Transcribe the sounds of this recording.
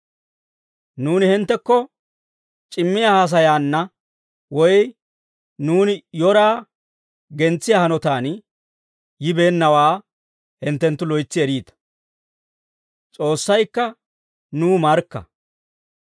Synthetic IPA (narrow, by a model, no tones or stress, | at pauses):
nuːnɪhɪnt̪ːɛkːɔ | t͡ʃʼɪmːɪjaːhɐs̬ɐjaːnːɐ | wɔj | nuːnɪjɔɾaː | ɡɛnt͡sːɪjaːhɐnɔt̪aːn | jɪbe̞ːnːɐwaː | hɪnt̪ːɛnt̪ːʊlɔjt͡sːɪɛɾiːt̪ɐ̥ | t͡sʼo̞ːsːɐjkːɐ | nuːmɐɾkːɐ̰